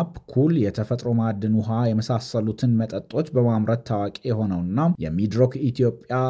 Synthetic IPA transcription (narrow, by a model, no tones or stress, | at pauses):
bkʰuljɛt̪ʰəfət̪ʼɾo̞mad̪ːɨnuɦajɛməsasəlut̪ʰɨnmət̪ʼət̪ʼːo̞t͡ʃːbəmamɾət̪ʰːawakʼejɛho̞nəwɨnːajɛmid̪ɾokit̪ʰijo̞pʼja